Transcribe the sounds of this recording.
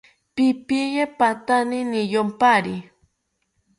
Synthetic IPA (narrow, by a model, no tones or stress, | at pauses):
pɪpijepat̪aninijompaɾi